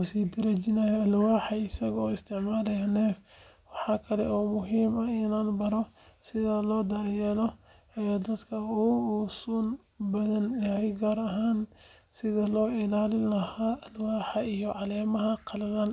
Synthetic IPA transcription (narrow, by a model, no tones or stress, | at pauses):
kʊsiːd̪ɐɾɐt͡ʃɪnɐjɐɐlwaːħɐɪsɐɣɔːɪst̪ʰɪʕmaːlɐjɐnɛːf | wɑħɑːkʰɐlɛ̰ʔɔːmʊɦiːmɐɪnaːnbɐɾɔ | sɪðɐlɔːd̪ɐɾjɛlɔ | jad̪ɐd̪kʰɐuːsuːn | bɐðɐnjɐɦɛjɡaːɾɐɦaːn | sɪðɐlɔːʔɪlaːlɪlɐhaːʔɐlwaːħɐijɔʕɑlɛːmɐɦɐqʰɑlɐlan